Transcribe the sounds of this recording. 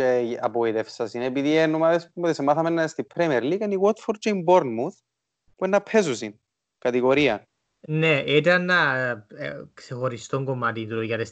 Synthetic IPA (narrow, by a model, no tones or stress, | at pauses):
eɐ̰poit̪efsɐsinepiðienːomaðespumoðisemɐθɐmenːɐst̪ipʰɾemieɾlikɐniwot̪foɾd͡ʒejmboɾnmuθ | puenːɐpʰesusin | kɐt̪iɣo̞ɾiɐ | neit̪ɐnːɐ | ksexoɾist̪oŋɡomɐt̪it̪uɾojɐt̪es